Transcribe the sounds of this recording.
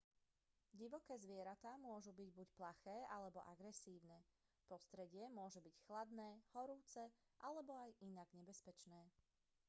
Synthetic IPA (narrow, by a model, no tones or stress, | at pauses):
ɟiʋɔkɛːzʋɪɛɾat̪aːmʊɔʒubiɟbucplaxɛːʔalɛbɔ̰ʔaɡɾɛsiːʊnɛː | pɔst̪ɾɛɟɪɛmʊɔʒɛbicxlad̪nɛːhɔɾuːt͡sɛʔalɛbɔajinaɡɲɛbɛspɛt͡ʃnɛː